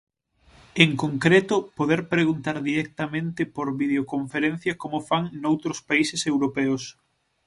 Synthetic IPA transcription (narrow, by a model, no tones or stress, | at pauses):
eŋkoŋkɾet̪ʊpoðeɾpɾeɣunt̪aɾðiɾɛk̚t̪amẽnt̪ɪpoɾβið̞eokoɱfeɾen̟θjɐkomʊfaŋnowt̪ɾʊspaisesewɾopɛʊs